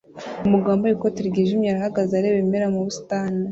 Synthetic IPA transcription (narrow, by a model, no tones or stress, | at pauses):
umuɡaːmbojikotiɾɡeʒimɲaɾahaɡazaɾeβemeɾamuβustaːna